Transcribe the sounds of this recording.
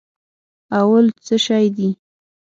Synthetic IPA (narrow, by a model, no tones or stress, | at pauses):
awalt͡səʃɑjd̪i